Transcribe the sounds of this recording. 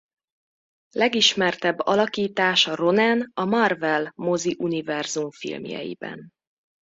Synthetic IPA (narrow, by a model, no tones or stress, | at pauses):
lɛɡiʃmɛrt̪ɛbːɒ̰lɒkiːt̪aːʃɒro̞nɛnɒmɒrvɛlmoziʔunivɛrzumfḭlmjɛ̰jḭbɛ̰n